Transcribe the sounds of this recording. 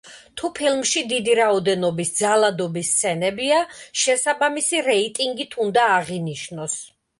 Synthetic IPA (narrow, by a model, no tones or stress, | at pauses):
t̪ʰupʰilˠmʃid̪id̪iɾaɔd̪ɛnɔbisd̪zalˠad̪ɔbist̪sʰɛnɛbiaʃɛsabamisiɾɛit̪ʼiŋɡit̪ʰund̪aːʁiniʃnɔs